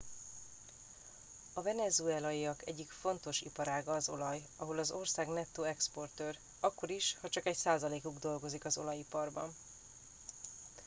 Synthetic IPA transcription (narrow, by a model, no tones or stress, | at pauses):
ɒvɛnɛzuɛːlɒiɒkɛ̰ɟːikfo̞nt̪o̞ʃḭpɒɾaːɡɒːzo̞̰lɒj | ɒɦo̞lɒzo̞rsaːɡnɛt̪ːoːɛkspo̞rt̪øːr | ɒkːo̞ɾiʃhɒt͡ʃɒkɛɟsaːzɒleːkuɡd̪o̞lɡo̞zikɒzo̞̰lɒjipɒrbɒ̰n